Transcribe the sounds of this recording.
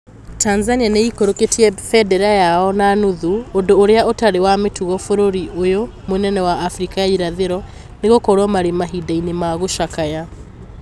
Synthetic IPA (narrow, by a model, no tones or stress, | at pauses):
tanzanianeikoɾoketiɛfɛdɛɾajaɔnanuðuondoːɾeaotaɾewametuɣɔfoɾoɾiʔojomonɛnɛwaːfɾikaaiɾaðeɾɔ | neɣokɔɾɔmaɾemaɦidainemaɣoʃakaja